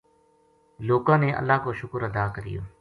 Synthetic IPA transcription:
loːkãːneːʔə̰lːaːkoʃʊkəɾəd̪aːkəɾɪ̰jo̰ː

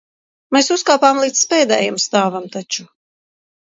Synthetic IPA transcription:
mɛsuskaːpaːmlˠiːt̪spɛːd̪ɛ̰ːjamst̪aːvamt̪at͡ʃu

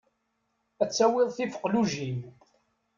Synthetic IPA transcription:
æt͡sːæwɪðˤθifə̥qːluʒim

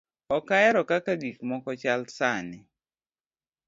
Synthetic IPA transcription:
ɔkaɛɾɔkakaɡikmɔkɔt͡ʃalsanɪ

